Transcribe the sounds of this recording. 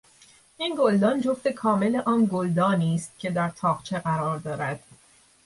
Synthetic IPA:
ʔinɡold̪ɒːnd͡ʒoft̪e̞kʰɒːme̞le̞ʔɒːnɡold̪ɒːniːst̪̚cʰʲe̞d̪æɾt̪ʰɒːʁt͡ʃʰe̞ɣæɾɒːɾd̪ɒːɾæd̪̥

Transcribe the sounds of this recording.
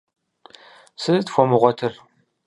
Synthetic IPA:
sɨztfʷɔmɨʁʷɔtʰɨr

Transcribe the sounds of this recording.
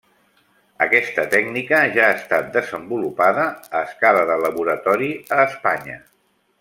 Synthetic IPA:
əkɛst̪ət̪ɛɡnikəʒaːst̪at̪̚d̪əzəmbulupaðəːskaləðələβuɾət̪ɔɾiəːspaɲə

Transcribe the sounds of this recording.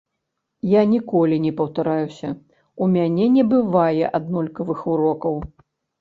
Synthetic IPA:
janʲikɔlʲinʲɛpɐwt̪aɾajusʲɐ | umʲanʲɛnʲɛbɨvajɛʔad̪nɔlʲkɐvɨxuɾɔkɐw

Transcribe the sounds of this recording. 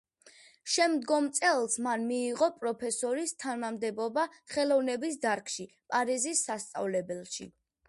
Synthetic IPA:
ʃɛmd̪ɡɔmt̪sʼɛlˠsmanmiːʁɔpʼɾɔpʰɛsɔɾist̪ʰanamd̪ɛbɔbaχɛlˠɔvnɛbis̬d̪aɾkʰʼʃi | pʼaɾizisːast̪sʼa̰vlɛbɛlˠʃḭ

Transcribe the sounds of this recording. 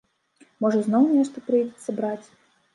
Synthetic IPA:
mɔʐɐznɔwnʲɛʂt̪ɐpɾɨjdʲɛt̪sːɐbɾat͡sʲ

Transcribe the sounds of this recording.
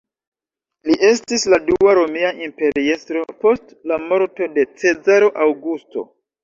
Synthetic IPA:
liʔe̞stisladuaɾo̞miaʔimpe̞ɾiestɾo̞po̞stlamo̞ɾto̞de̞t͡se̞zaɾoʔawɡusto̞̰

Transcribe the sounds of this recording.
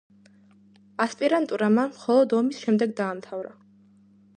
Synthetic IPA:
aspʼiɾant̪ʼuɾamanmχɔlˠɔd̪ɔmisʃɛmd̪ɛɡd̪aːmt̪ʰavɾa

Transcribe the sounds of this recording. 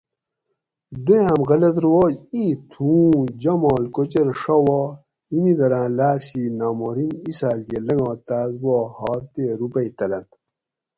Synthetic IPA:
d̪ujãmɣɐlɐt̪̬ɾwoːd͡ʑĩːt̪ʰũːd͡ʑɐmaːlkot͡ɕɐɾʂɐwa | imid̪ɐɾãːlaːɾsinaːmoɾimisaːlɡelɐŋɡãːt̪aːzɡoːhaːt̪eɾupɐit̪ɐlɐnt̪

